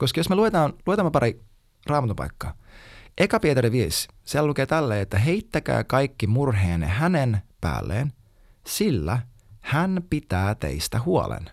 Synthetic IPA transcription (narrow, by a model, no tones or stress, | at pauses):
koskɑjosmeluet̪ɑːnluet̪ɑmːepɑɾi | rɑːmɑt̪umpɑ̰jkːɑʔekɑpiet̪ɑɾiʋies | sielælukeːt̪ælːeːet̪ːæɦeit̪ːækæ̰ːkɑjkːimurɦeːnḛɦænenpæ̰ːlːḛːn | silːæ | hænpit̪æːt̪ḛist̪æɦuɑ̰lḛn